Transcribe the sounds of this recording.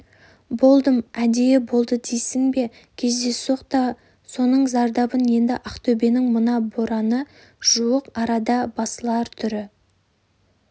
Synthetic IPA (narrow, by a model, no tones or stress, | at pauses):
bo̞lˠd̪əmæd̪e̞jɪbo̞lˠd̪əd̪ejsɪŋbe̞ | kʲʰe̞zd̪e̞so̞qt̪ɑ | so̞nəɴzɑɾd̪ɑbənje̞nd̪ɪ̰ʔɑqt̪ʰɵbe̞nɪŋmənɑbo̞ɾɑnə | ʒ̥uwəqɑɾɑd̪ɑbɑsəlˠɑɾt̪ʰʏɾɪ